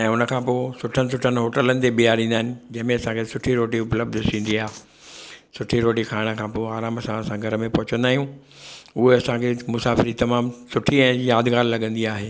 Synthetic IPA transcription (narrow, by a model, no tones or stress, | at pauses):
ɛ̃ːʊnə̆kʰãːpoːsʊʈʰənɪ̆s̬ʊʈʰənɪɦoːʈələnɪ̆t̪eɓiaːɾĩːn̆d̪aːɦɪ̃nɪ̆d͡ʑɐ̃ɦɪ̃mẽɐsãkʰesʊʈʰiɾoːʈiʊpləb̚d̪ʱsʰĩːn̆d̪iaːɦ | sʊʈʰiɾoːʈikʰaːɪɽ̃ə̆kʰãːpoːaːɾaːmɐsãɐsãɡʱɐɾəmẽpɐɦʊt͡ɕə̃nd̪aːɦijũ | ʊɦeɐsãkʰemʊsaːfɪɾit̪ɐmaːmsʊʈʰiɛ̃ːjaːd̪ʱɡaːɾlɐɡə̃nd̪iaːɦeː